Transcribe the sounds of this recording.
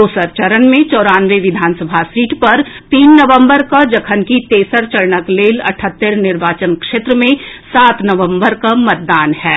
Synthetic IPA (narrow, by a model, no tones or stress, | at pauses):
oːsəɾt͡ʃəɾənmẽt͡ʃɔːɾaːnʋeʋɪd̪ʱaːnsəbʱasiːʈpɐɾt̪iːnːɐʋə̃mbəɾkad͡ʒɐkʰənkit̪eːsəɾt͡ʃɐɾɳəkleːlɐ̰ʈʰət̪ːəɾnɪɾʋaːt͡ʃənkʃeːt̪ɾəmẽsaːt̪ʰnɐʋə̃mbəɾkamɐt̪̚d̪aːnɦɛː